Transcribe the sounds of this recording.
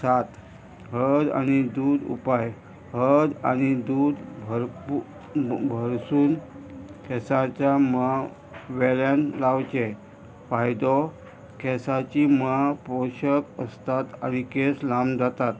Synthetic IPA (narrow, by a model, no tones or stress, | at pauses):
sat̪ | ɦəd̪a̰ñid̪uːd̪ṵpaj | həd̪a̰ñid̪uːd̪bʱəɾ | bʱəɾsuːnkʰɛsat͡ɕjama | ʋɛljãnlawt͡ɕe | fajd̪ɔ | kʰɛsat͡ɕiməpɔɕəkəst̪at̪a̰ñikeslamd͡zat̪at̪̚